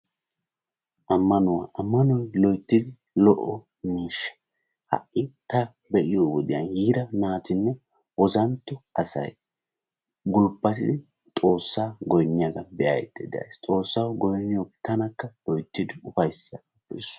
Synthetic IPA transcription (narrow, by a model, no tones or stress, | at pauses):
ʔɐmːɐnʊwa̰ːʔɐmːɐnɔjlɔjt̪ːɪd̪ɪ | lɔʔɔ | miːʃːɐ̥ | hɐ̰ʔːɪt̪ɐ | bɛʔɪjowɔd̪ɪjɐ̰njiːd̪ɐnaːt̪ɪnːɛ | ʔɔzɐnt̪ːɔɐsɐ̰j | ɡʊlpːɐt̪ɪd̪ɪ | t̪ʼo̞ːsːaːɡɔjnːɪjaɡɐnbɛjɐ̰jɛ̰t̪ːɛd̪ɛɐ̰jst̪ʼo̞ːsːɐwɡɔjnːɪjot̪ʰːɐnɐkːɐlɔjt̪ːɪd̪ɪʊfɐjsːɪjaɡɐbɛsʊ̥